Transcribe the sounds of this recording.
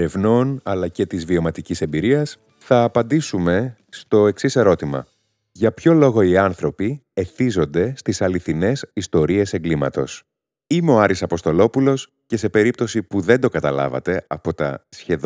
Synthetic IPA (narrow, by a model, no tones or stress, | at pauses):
ɾevno̞nɐlɐce̞t̪izvio̞mɐt̪icise̞mbiɾiɐs | θɐːpɐnd̪isume̞ | st̪o̞e̞ksise̞ɾo̞t̪imɐ̰ | ʝɐpço̞lo̞ɣo̞iɐnθɾo̞pie̞θizo̞nd̪e̞st̪isɐliθine̞sist̪o̞ɾie̞se̞ŋɡlimɐ̰t̪o̞s | imo̞ɐɾisɐpo̞st̪o̞lo̞pulo̞s | ce̞se̞pe̞ɾipt̪o̞sipuðe̞nd̪o̞kɐt̪ɐlɐ̰vɐ̰t̪e̞ɐpo̞t̪ɐ̰sçe̞